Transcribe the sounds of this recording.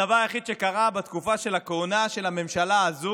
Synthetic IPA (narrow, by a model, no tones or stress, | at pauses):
avaʁeχid̪ʃe̞kaʁabat̪kufaʃe̞lakoonaʃe̞lame̞mʃalaːzu